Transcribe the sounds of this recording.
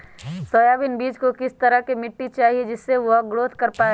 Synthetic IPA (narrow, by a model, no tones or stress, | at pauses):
soːjaːʋinbiːd͡ʒkokɪst̪ɐɾəɦkemɪʈːit͡ʃaːɦied͡ʒɪsːeʋoɡɽoːt̪ʰkɐɾpaːe